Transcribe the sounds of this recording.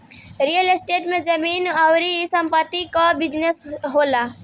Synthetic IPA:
ɾijəlesʈeʈmẽd͡ʒəminawɾisəmpət̪ːikɔbid͡ʒnesɦola

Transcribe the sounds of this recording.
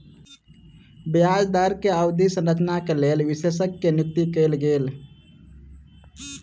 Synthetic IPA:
bjad͡ʒd̪aɾkeaʊd̪isə̃nɾət͡ʃnakelelʋisesəkːenɪt̪ːikəjlɡeːl

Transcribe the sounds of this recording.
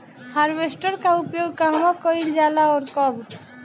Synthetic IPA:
haɾbesʈəɾkaupjoɡkamɔkɔild͡ʒalaɔɾkɔb

